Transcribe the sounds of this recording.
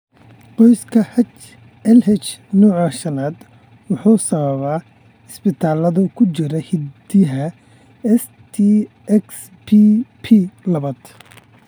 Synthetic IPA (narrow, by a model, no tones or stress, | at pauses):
qɔjskʰɐhɐt͡ʃ | ɛlhɛt͡ʃnɔːʕɐʃɐnaːd̪ | wʊħuːsɐβɐβa | ɪsbɪt̪ʰaːlɐðʊkʰʊt͡ʃɪɾɛhɪd̪ɪɦɐ | ɛs | t̪ʰi | ɛks | pʰipʰilɐβɐd̪̥